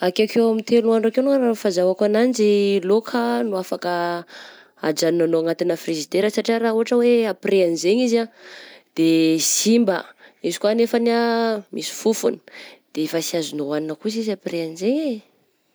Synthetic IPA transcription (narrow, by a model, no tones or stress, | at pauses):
akakewamit̪ʰelunuaɳɖ͡ʐakewnuanafazawakanand͡ʒilokʰənuafakə | a̰d͡ʒaninanoaŋat̪inəfrizid̪eɾəsaʈ͡ʂiaɾauɦaʈ͡ʂəweapiɾeanzeɲizad̪̥esimbəizikwanefənamisi̥fufunə̥d̪̥efasiazunoaninəkuzizapreanzeɲe